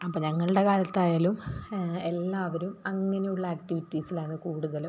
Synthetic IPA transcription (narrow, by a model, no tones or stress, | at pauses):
ɐpːoɲɐŋːɐɭuɽe̞kaːljɐt̪ːaːjaːlumelːaːʋɐɾumɐŋːɐne̞juɭːɐːktiʋitːisilaːɳɨkuːɽuðɐlu